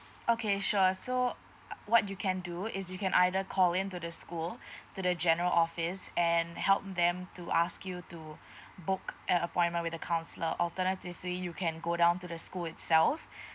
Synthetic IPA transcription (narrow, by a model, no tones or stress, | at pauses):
ʔokʰeʃuso | wɔt̚jukʰɛ̃nduɪs̬jukɛ̃nʔaɪdəkʰɔlɪ̃ntudəskultudəd͡ʒɛnəɹəlʔɔfɪsɛ̃nhɛlˠp̚dɛ̃mtuʔaskjutu | bʊkənəpɔ̃ɪ̃nmə̃n̚wɪdəkʰãʊ̃nslə̰ʔɔltənətɪvlijukʰɛ̃nɡodãʊ̃ntudəskulɪtsɛlf